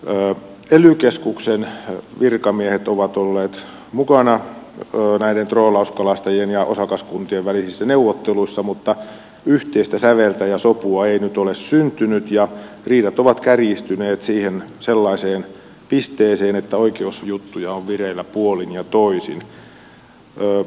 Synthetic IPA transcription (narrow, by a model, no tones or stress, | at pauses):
elykeskuksenʋirkɑmiehet̪oʋɑt̪olːeːt̪ | mukɑnɑː | næident̪roːlɑuskɑlɑst̪ɑjienjɑʔo̰sɑkɑskunt̪ieʋʋælisisːæneuʋːot̪ːeluisːɑmut̪ːɑ | yht̪eist̪æsæʋelt̪æjɑsopuɑeinyt̪olessynt̪ynyt̪jɑ | riːdɑt̪oʋɑt̪kærist̪yneːt̪siːhenselːɑiseːn | pist̪eːseːnet̪ːæoikeusjut̪ːujɑoʋʋirelːæpuolinjɑt̪oisḭn | øː